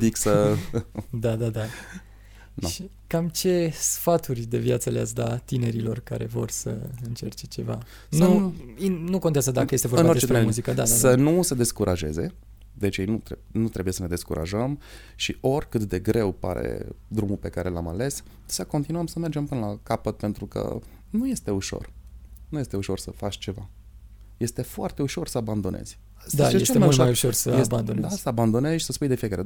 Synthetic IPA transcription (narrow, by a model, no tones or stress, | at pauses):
d̪iksə | d̪ad̪ad̪a | naʃi | kamt͡ʃe̞sfat̪urʲd̪e̞vjat̪səlea̰s̬d̪at̪ine̞ɾilo̞rka̰ɾe̞vo̞rsə̰ɨnt͡ʃe̞rt͡ʃe̞t͡ʃe̞va̰ | nəuinuko̞nt̪eazəd̪akəjest̪eoɨnbaoɾd̪et͡ʃespeemuzikəd̪ad̪adsənused̪e̞skuɾʔaʒe̞̰ze̞ | d̪e̞t͡ʃjejnut̪e | nut̪ɾe̞buje̞səne̞d̪eskuɾʔa̰ʒəm | ʃiʔo̞rʲkɨt̪d̪e̞ɡɾe̞wpa̰ɾḛd̪ɾumulpe̞kaɾʔe̞lamale̞s | səkont̪inuəmsəme̞rd͡ʒe̞mpɨnəlakapət̪̚pe̞nt̪ɾukə̰ | nuje̞st̪e̞uʃo̞̰rnuje̞st̪e̞uʃo̞rsəfat͡ʃt͡ʃe̞va | je̞st̪e̞foart̪e̞uʃo̞rsəaband̪o̞nʔe̞̰z̥ʲ | sd̪t͡ʃeeemaʃoajuʃorsəjesband̪ond̪asəaband̪o̞ne̞zʲsəspujd̪e̞fijekaɾe